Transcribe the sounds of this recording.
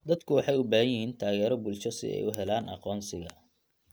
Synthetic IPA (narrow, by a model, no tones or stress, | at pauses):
d̪ɐd̪kʰʊwɑħɑjʊbaːɦɐjɪɦiːnt̪ʰaːɣɛːɾɔbʊlt͡ʃɐsɪ̰ɛ̰jʊɦɛlaːnʔɑ̰qɔːnsɪɣɐ